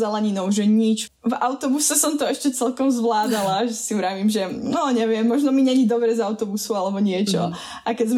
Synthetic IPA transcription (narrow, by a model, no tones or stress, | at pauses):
zalaɲinɔʊʒɛɲit͡ʃ | vaʊt̪ɔbusɛsɔmt̪ɔɛʃcɛt͡sɛlkɔmzʋlaːd̪alaʒɛsiɾaʋiːmʒɛnɔɲɛʋɪɛmːɔʒnɔmiɲɛɲid̪ɔbɾɛzaʊt̪ɔbusualɛbɔɲɪɛt͡ʃɔ̰ | ʔakɛzm